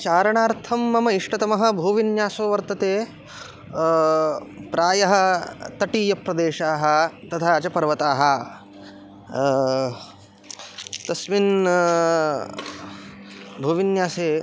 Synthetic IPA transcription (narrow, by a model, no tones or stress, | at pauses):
t͡ʃaːɾɐɳaːɾt̪ʰɐmːɐmɐiʂʈɐt̪ɐmɐɦɐ̆bʱuːʋinjaːsoːʋɐɾt̪ɐt̪eː | pɾaːjɐɦɐ̆t̪ɐʈiːjɐpɾɐd̪eːʃaːɦɐ̆t̪ɐt̪ʰaɐt͡ʃɐpɐɾʋɐt̪aːɦɐ̆ | t̪ɐsʋin | bʱuːʋinjaːseː